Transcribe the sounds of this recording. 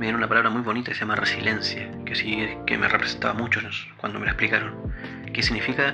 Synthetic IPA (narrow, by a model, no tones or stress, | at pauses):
meðjeounapalaβɾamujβo̞nit̪ḁkesejamaresile̞nsja | kesikemerepɾesent̪a̰βamut͡ʃoss | kwa̰nd̪ome̞laehplikaɾoŋ | kesiɣnifika